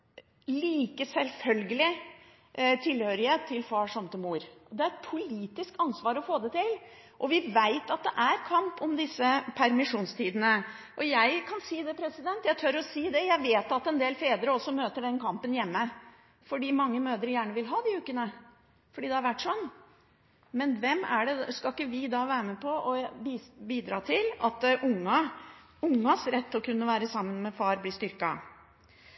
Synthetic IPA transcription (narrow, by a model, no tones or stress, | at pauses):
liːkəsɛlfœlɡəlɪ | t̪ʰɪlhøːɾɪət̪ʰːɪlfɑːʂɔmt̪ʰɪmuːɾʔɔd̪ɛæɾɛt̪pʰʊliːt̪ɪskɑnsʋɑːɾɔfoːd̪ɛt̪ɪl | ʔɔʋɪʋæɪt̪ɑt̪̚d̪ɛʔæɾkʰɑmpɔmd̪ɪsːəpʰæɾmɪʂuːnst̪ʰiːd̪ənə | ʔɔjæɪkʰɑnsiːd̪ɛpʰɾɛsɪd̪ɛnt̪jæɪt̪ʰœɾɔsiːd̪ɛjæɪʋeːt̪ɑt̪ɛnd̪eːlfeːd̪əɾəɔsːɔmøːt̪əɖɛnkʰɑmpənjɛmːə | fɔɖiːmɑŋːəmøːd̪əɾjæːɳəʋɪlɦɑːd̪ɪʉːkənə | fɔɖiːd̪ɛhɑɾʋæʈːʂɔnː | mɛnʋɛmːæ̰ɖɛskɑlkːəʋɪd̪ɑːʋæːɾəməpʰɔʔɔ | biːd̪ɾɑːt̪ʰɪlɑt̪ʔʊŋːɑ | ʊŋːɑsɾɛt̪ːɔkʰʉnːəʋæːɾəsɑmːənmɛfɑːɾblɪːst̪ʏɾkɑ̰